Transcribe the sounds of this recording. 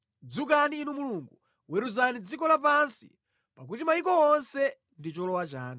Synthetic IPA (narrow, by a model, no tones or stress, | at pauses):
d͡zukaniːnumuluŋɡu | wɛɾuzanid͡zikɔlap̬ansḭ | pak̬utimajikɔwɔnsɛ | ndit͡ʃɔlɔwat͡ʃaːna